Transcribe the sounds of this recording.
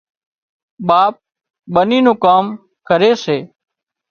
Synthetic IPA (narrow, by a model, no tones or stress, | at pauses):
ɓaːp̚ | ɓəniːnũːkaːm | kəɾeːseː